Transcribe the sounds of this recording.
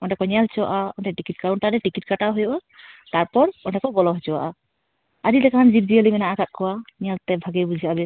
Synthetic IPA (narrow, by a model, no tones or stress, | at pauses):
ɔnʈɛkɔɲalt͡ʃɔa̰ʔaɔnʈɛʈikit̚kaɾɔnʈaɾɛʈikit̚kaʈaɦɔjɔʔa | t̪aɾpɔɾɔnɖɛkɔbɔlɔɦɔt͡ʃɔwa̰ʔa | aɾilɛkaand͡ʒiɾ̚d͡ʒiəlimɛnaʔaɡat̪̚kʰɔwaɲalt̪ɛbʱaɡebud͡ʒʱiabɛ